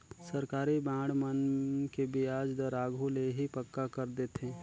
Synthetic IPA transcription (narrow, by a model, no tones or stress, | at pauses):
səɾkaːɾibãːɽmənkebiaːd͡ʒd̪əɾaːɡʱuleɦipəkːakəɾd̪eːt̪ẽː